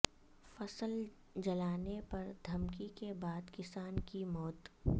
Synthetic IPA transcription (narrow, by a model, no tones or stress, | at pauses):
fɐsəl | d͡ʒɐlaːnepɐɾd̪ʱɐmkikebaːd̪kɪsaːnkimɔːt̪